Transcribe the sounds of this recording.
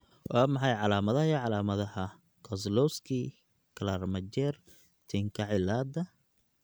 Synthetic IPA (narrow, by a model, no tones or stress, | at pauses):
wʔɑːmɑħɑjʕɑlaːmɐðɐhiʕɑlaːmɐðɐhɐ | kʰɔslɔskʰiː | kʰɐlarmɐt͡ʃɛːr | t̪ʰɪŋkʰɐʕɪlaːd̪ɐ